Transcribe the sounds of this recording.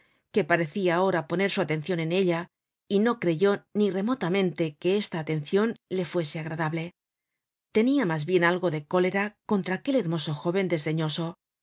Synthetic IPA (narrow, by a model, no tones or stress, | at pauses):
ke̞paɾe̞θiaːo̞ɾapo̞ne̞ɾsuat̪ẽ̞n̟θjo̞ne̞ne̞ʎa | ino̞kɾe̞ʝo̞nire̞mo̞t̪amẽ̞nt̪e̞ke̞est̪aːt̪e̞n̟θjonle̞fwe̞se̞aɣɾaðaβle̞ | t̪e̞niamazβje̞nalɣo̞ðe̞ko̞le̞ɾako̞nt̪ɾaːke̞le̞ɾmo̞so̞xo̞βe̞nd̪e̞zðe̞ɲo̞so̞